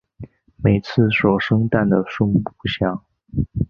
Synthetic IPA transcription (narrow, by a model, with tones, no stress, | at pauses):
me˨˩ɪt͡sʰɹ̩˥˩ʂwɔ˨˩ʂɤ˥ŋt̪a˥˩nd̪ə˩ʂʊ˥ŋpu˥˧˩ɕjɑ˥˩ŋ